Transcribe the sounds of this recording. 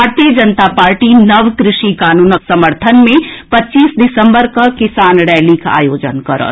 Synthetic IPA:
aɾt̪ijəd͡ʒənt̪apaːɾʈinɐʋkɾɪʃikaːnuːnəksɐməɾt̪ʰənmẽpɐtːʃiːsɖɪsə̃mbəɾkakɪsaːnɽɛːlikʰa̰ːjoːd͡ʒə̰nkɐɾə̰

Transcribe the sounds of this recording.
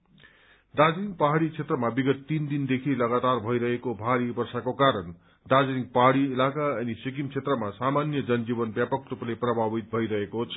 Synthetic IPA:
d̪ad͡zʌnik̚paɦaɽit͡sʰet̪rʌmabiɡʌt̪ːind̪ind̪ekʰilʌɡat̪arbʱʌiɾʌɦekobʱaɾibʌrsakokaɾʌn | d̪ad͡zʌnik̚paɦaɽiːlakaʌnisik̬imt͡sʰet̪rʌmasamanjʌd͡zʌnd͡zibʌnbjapʌk̪̚rupleprʌbʱabit̪̚bʱʌjɾʌɦekot͡sʰʌ

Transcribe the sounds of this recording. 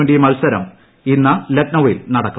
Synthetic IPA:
eɳɖijumɐlsɐɾɐ̰m | inːɐlɐʈnɐʋḭlnɐɽɐkːu

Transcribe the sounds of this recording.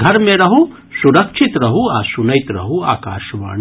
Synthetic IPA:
ɡʱɐɾmẽɾɐɦu | suɾɐkʃʰit̪ɾɐɦuaːsunɐjt̪ɾɐ̰ɦua̰ːka̰ːʃʋa̰ːɳ

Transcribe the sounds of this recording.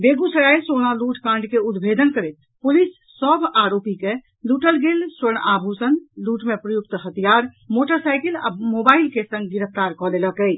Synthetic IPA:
beɡusəɾajsonaluʈkãɳɖkeud̪bʱed̪ʱənkəɾɛt̪ | pulisːəbʱaɾopike | luʈəlɡelsəɾɳabʱusənluʈmepɾəjuk̚t̪ɦət̪ijaɾmoʈəɾsajkəla̰mobaɪlkesə̃ŋɡɡiɾəp̚ʰt̪aɾkɔleləkəj

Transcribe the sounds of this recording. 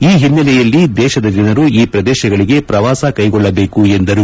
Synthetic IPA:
iːɦinːɐlɛjɐlːid̪ɛːʃɐd̪ɐd̪inɐɾuiːpɾɐd̪ɛːʃɐɡɐɭiɡe̞pɾɐʋaːsɐkɐjɡɔɭːɐbe̞ːkuend̪ɐɾu

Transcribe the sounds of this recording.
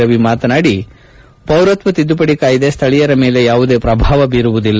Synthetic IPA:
ɐʋimaːt̪ɐnaːɽi | pɐwɾɐt̪ʋɐt̪id̪ːupɐɽikaːjid̪e̞st̪ʰɐɭijɐɾɐme̞ːle̞jaːʋud̪e̞ːpɾɐbʱaːʋɐbiːɾuʋud̪ilː

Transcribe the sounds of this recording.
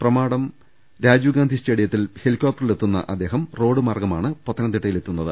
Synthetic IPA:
prɐmaːɽɐm | ɾaːd͡ʑuːɡaːnd̪ʱiste̞ːɽijɐt̪ːilhelikːoːp̚ʈːɐrilet̪ːunːɐ̰ʔɐd̪ːe̞ːɦɐmro̞ːɽɨmaːrɡɐmaːɳɨpɐt̪ːɐnɐt̪iʈːɐjile̞t̪ːunːɐðɨ

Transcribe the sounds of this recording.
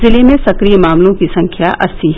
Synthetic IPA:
zɪlimẽsɐkɾijəmaːmlõkisɐ̃ŋkʰjaʔʔɐsi

